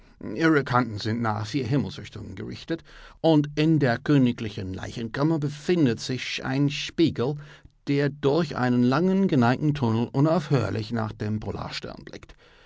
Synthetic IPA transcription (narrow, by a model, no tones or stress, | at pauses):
ʔiːʁəkʰantn̩zɪntnaːχfiːɐɦɪml̩sɪçtʊnənɡəʁɪçtətʔʊntɪndeːɐkʰøːnɪklɪçənla̰ɪçənkʰamɐbəfɪndətz̥ɪçʔa̰ɪnʃpiːɡl̩d̥eːɐdʊɐçʔa̰ɪnənlaŋənɡənaɪtn̩tʰʊnl̩ʔʊnaʊfhø̰ːɐlɪ̰çna̰ːχd̥eːmpʰola̰ːʃtɛ̰ɐnb̥lɪ̰kt